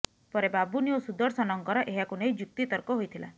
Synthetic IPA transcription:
pɔɾebabuniosud̪ɔɾsɔnɔŋkɔɾɔʔeɦakunejd͡ʒuk̚t̪it̪ɔɾkɔɦojt̪ʰila̰

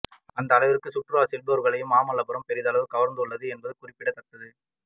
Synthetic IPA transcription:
ɐnd̪ɐːlɐɪʋɪɾɯkːɯsʊʈrɯʋaːsɪlbɐɐɾɣɐɭɐjɯmaːmɐlːɐbɐɾɐmpɛɾɪðɐlɐʋɯkɐʋɐɾnd̪ɯɭːɐðɯɛnbɐðɯkʊrɪpːɪɽɐt̪ːɐʈ̪ːɐðɯ

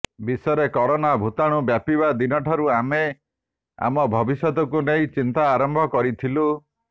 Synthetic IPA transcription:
bisɔɾekɔɾɔnabʱut̪aɽ̃ubjapiβad̪inɔʈʰɔɾuame | a̰mɔbʱɔbisjɔt̪ɔkuneĩt͡ʃint̪aːɾɔmbʱɔkɔɾit̪ʰilu

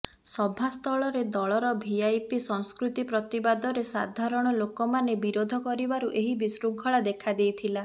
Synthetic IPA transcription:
sɔbʱast̪ʰɔɭɔɾed̪ɔɭɔɾɔbʱiajpisɔŋ̃skɾut̪ipɾɔt̪ibad̪ɔɾesad̪ʱaɾɔɽ̃ɔlokɔmanebiɾod̪ʱɔkɔɾibaɾuʔeɦibisɾuŋkʰɔɭad̪ekʰad̪ejt̪ʰila

